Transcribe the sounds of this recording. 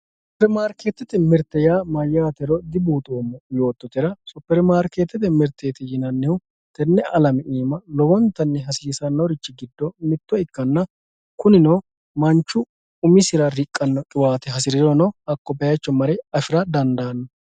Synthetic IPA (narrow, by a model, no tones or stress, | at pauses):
sʊpɛɾmaːɾkeːt̪ːɛt̪ɛmɛɾt̪ːɛjaːmɐjːaːt̪ɛɾɔd̪ɪbuːt̪ʼoːmːɐjo̞ːt̪ːɔt̪ɪɾɐsʊpːɛɾmaːɾkeːt̪ːɛt̪̬ɛmɛɾt̪eːt̪ɛjɪnɐnːɛw | t̪ɛnːɛʔɐlɐmɛiːmɐlɔbɔnt̪ːɐnːɛɦɐsiːsɐnːɐwɾɪt͡ʃːɪɡɪd̪ːɔmɪt̪ːɔɪkːɐnːɐ | kʊnɪnoː | mɐnt͡ʃːʊ | ʊmɪsɪɾɐɾɪkʼːɐnːɔkʼɪwaːt̪ɛɦɐsɪɾɪɾɔnɔɐkːɔpɛjɐt͡ʃːɔmɐɾɛɐfɪɾɐd̪ɐnd̪aːnːɐ